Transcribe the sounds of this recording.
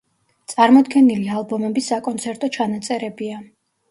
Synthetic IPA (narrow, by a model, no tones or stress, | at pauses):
t̪sʼaɾmɔd̪ɡɛnilialˠbɔmɛbisːakʼɔnt̪sʰɛɾt̪ʼɔt͡ʃʰanat̪sʼɛɾɛbia